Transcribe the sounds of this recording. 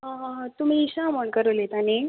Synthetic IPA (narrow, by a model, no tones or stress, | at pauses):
ɦãɦãt̪um̤iːɕaməɳkəɾəlet̪ani